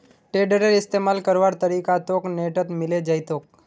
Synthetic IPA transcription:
ʈeːɖəɾeɾɪst̪eːmaːlkəɾʋaɾt̪əɾiːkat̪oːkneːʈət̪mɪled͡ʒəjt̪oːk̚

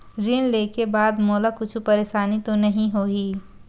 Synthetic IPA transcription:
ɾɪnleːkebaːd̪moːlakʊt͡ʃʰupɐɾeːʃaːnit̪onɐɦĩɦoːiː

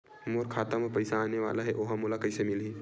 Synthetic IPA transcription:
moːɾkʰaːt̪amepɐɪsaːneʋa̰ːlaɦɛʔoːɦamʊlakɐɪsemɪli

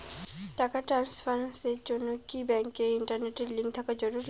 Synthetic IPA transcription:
t̪akaʈɾanspʰaɾnset͡ʃonokibɛŋkːeiɳʈəɾneʈelĩŋk̚t̪ʰakad͡ʒɔɾuɾ

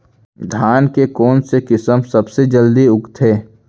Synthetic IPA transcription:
d̪ʱaːnkekɔːnsekɪsəmsɐbsed͡ʒəld̪iʊkt̪ʰeː

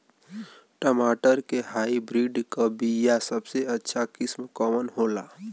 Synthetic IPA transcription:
ʈəmaʈəɾkeɦaibɾiɖkəbijasəbseətːʃʰakismkəmənɦola̰

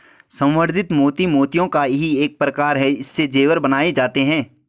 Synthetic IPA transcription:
sə̃wwəɾd̪ʱɪt̪moːt̪imoːt̪ijõkajɦieːk̚pɾɐkaːɾɦɛɪsːed͡ʒeːwəɾbɐnaːed͡ʒaːt̪eɦɛ̃ː

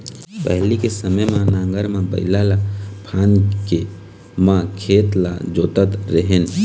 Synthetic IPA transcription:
pəɦlikesəməjmãnãŋɡəɾmebə̰ɪlalapʰanke | mãkʰet̪la̰d͡ʒoːt̪ət̪ɾeɦen

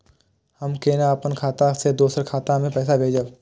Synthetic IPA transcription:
həmkeːnaəpənkʰaːt̪ãsed̪oːsəɾkʰaːt̪ãmẽpɛːs̬abʱeːd͡ʒə

